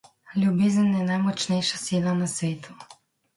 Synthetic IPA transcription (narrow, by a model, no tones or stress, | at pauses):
lʲubizənɛnajmɔt͡ʃnɛjʃasilanasvɛt̪ʰu